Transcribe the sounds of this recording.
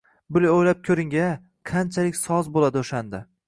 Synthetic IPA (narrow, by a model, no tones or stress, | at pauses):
bʊlaojlap̚kʲʰɵɾɪŋʲa | qʰant͡ʃʰalɪkʲsɒzbolad̪ɪoʃand̪a